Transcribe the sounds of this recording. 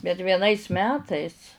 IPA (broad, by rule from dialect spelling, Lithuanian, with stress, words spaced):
bʲɛt ʋʲiɛˈnɐɪs ˈmʲæːtɐɪs